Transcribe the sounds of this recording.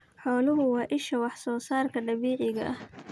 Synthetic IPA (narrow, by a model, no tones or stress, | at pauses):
ħɔːlʊɦʊwɑːʔɪʃɐwɑħsɔːsaːrkʰɐɖɐβiːʕɪɣɐʔɐh